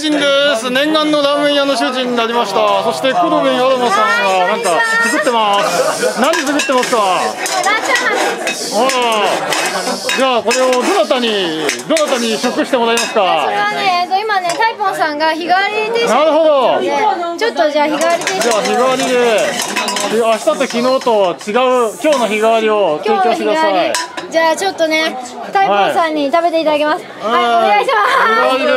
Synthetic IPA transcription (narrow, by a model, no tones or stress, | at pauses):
ĩnd̪e̞sɨnẽ̞ŋɡãnːo̞d̪ãm̃mẽɰ̃jano̞ɕɨːʑĩɲ̟ːinaɾʲimaɕi̥t̪aso̞ɕi̥t̪e̞kod̪obɯ̃ɰ̃ad̪omasãŋɡanãŋkat͡sɨkɯ̟t̪ːe̞masɨnaɲ̟ːit͡sɨkɯ̟t̪ːe̞masɨ̥ka | a | d͡ʑaːko̞ɾe̞od̪o̞nat̪aɲ̟id̪o̞nat̪aɲ̟iɕokːɯ̟ɕi̥t̪emoɾaimasɨ̥kaoɾeβaneet̪ːoimane̞t̪aipõ̞ɰ̃sãŋɡaçiɡaβaɾʲid̪enaɾɯ̟ɦo̞d̪o̞et͡ɕo̞t̪ːo̞d͡ʑaːçiɡaβaɾʲit̪ed͡ʑaːçiɡaβaɾʲid̪e̞ | iaɕi̥t̪at̪okʲino̞ːt̪o̞t͡ɕiɡaɯ̟kʲo̞ːno̞çiɡaβaɾʲio̞t͡sɨiko̞ːtekɯdaaid͡ʑaːt͡ɕo̞t̪ːo̞ne̞ | t̪aiaĩsãɲ̟ːit̪abe̞t̪e̞it̪ad̪ak̬e̞masɨ̥ | eɡaɕmaiɡaaɾʲid̪e